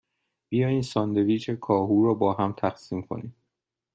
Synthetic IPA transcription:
b̥ijɒːjiːnsɒːnd̪eviːt͡ʃʰe̞kʰɒːɦuːɾɒːbɒːɦæmt̪ʰæxsiːmkʰo̞̰niː

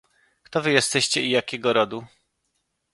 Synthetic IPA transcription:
kt̪ɔvɘjɛst̪ɛɕt͡ɕɛijakʲɛɡɔɾɔd̪u

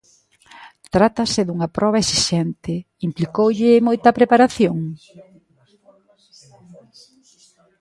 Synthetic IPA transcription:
t̪ɾat̪ɐsɪðuŋɐpɾʔɔβ̞ɐesiʃɛnt̪ɪ | implikowʎɪmojt̪ɐpɾepaɾaθjoŋ

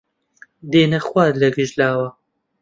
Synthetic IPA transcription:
d̪eːnɐχwaːd̪lɐɡɨʒlaːwɐ

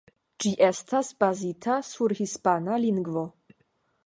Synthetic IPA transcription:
d͡ʒiʔe̞stasbazitʰasuɾhispanaliŋɡvo̞

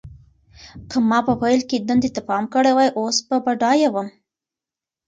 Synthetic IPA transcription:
kəmɑpəpajlked̪and̪et̪apɑmkəɽewajʔospabaɖɑjawəm

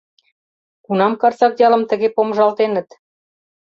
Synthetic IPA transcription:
kunɑmkɑrt͡sɑkjɑlə̆mt̪ə̆ɣepomʒɑlt̪enə̆t̪

